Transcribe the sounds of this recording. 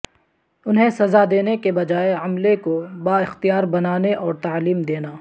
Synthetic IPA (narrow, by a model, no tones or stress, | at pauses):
ʊnɦẽsɐzad̪eːnekebɐd͡ʒaːeɐmlekobaːɪxt̪ijaːɾbɐnaːneʔɔːɾt̪aːliːmd̪eːnaː